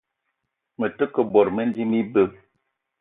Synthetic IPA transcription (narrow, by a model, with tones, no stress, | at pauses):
mə˨tə˦kə˨bɔ˨ɾmə˦n˦di˦mi˦bə˦